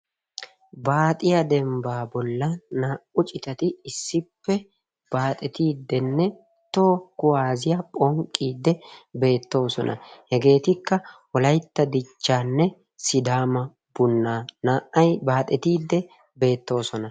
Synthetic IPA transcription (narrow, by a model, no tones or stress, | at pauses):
baːt̪ʼɪjɐd̪ɛmbaːbɔlːɐnaːʔʊt͡ʃʼɪt̪ɐt̪ɪɪsːɪpːɛ | b̥aːt̪ʼɛt̪iːd̪ːɛnːɛ | t̪oːkʊwaːzɪjɐpʼɔŋkʼːiːd̪ːɛbe̞ːt̪ːo̞ːsɔnʔɐ̰hɛɡe̞ːt̪ɪkːɐwɔlɐjt̪ːɐd̪ɪt͡ʃːaːnːɛ | sɪd̪aːmɐ | b̥ʊnːaːnaːʔʔɐjbaːt̪ʼɛt̪iːd̪ːɛ | be̞ːt̪ːo̞ːsɔnɐ